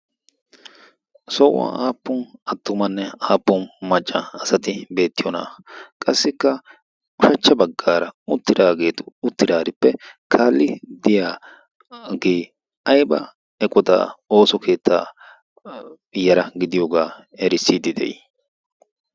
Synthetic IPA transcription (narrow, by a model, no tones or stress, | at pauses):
sɔʔwa̰aːpːʊnɐt̪ːʊmɐnːɛaːpːʊnmɐt͡ʃʼːɐɐsɐt̪ɪbe̞ːt̪ːɪjɔna̰ːkʼɐsːɪkːɐ | ʊʃɐt͡ʃːɐbɐɡːaːɾɐʊt̪ːɪd̪aːɡe̞ːt̪ʊ̥ʊt̪ːɪd̪aːɾɪpːɛkʰaːlːɪd̪ɪjaː | ɡeː | ɐjbɐ̰ | ɛkʼɔt̪a̰o̞ːsɔkʰe̞ːt̪ːa̰ː | jːɐɾɐɡɪd̪ɪjoːɡaː | ɛɾɪsːid̪ɪd̪ɛ̰j